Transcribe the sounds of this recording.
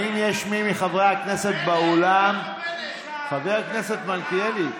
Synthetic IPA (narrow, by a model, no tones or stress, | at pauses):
injeʃmimiχavʁeakne̞se̞t̪̚baolam | χaveʁakne̞se̞t̪malkieli